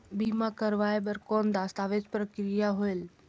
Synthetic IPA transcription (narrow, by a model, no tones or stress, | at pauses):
biːmãkəɾʋaːeɓəɾkoːnd̪aːst̪aːʋet͡ʃpɾəkɾijaɦoel